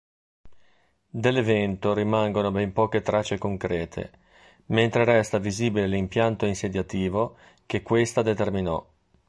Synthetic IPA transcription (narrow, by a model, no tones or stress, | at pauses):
d̪elːevɛnt̪oɾimaŋɡonobɛmpɔːket̪ɾat͡ʃːekoŋkɾɛːt̪ʰḛ | ment̪ɾeɾɛst̪aviziːbilelimpjant̪oinsed̪jat̪iːvo | k̟ekːwest̪ad̪et̪erminɔ̰